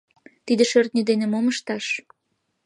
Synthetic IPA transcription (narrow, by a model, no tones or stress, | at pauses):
t̪id̪eʃørt̪nʲed̪enemoməʃt̪ɑʃ